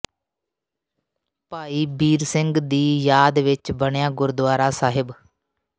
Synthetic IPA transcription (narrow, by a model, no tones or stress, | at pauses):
paːiːbiːɾsɪŋɡd̪iːjaːd̪ʋɪt͡ʃbəɳjãːɡʊɾd̪aːɾaːsaːɦɪb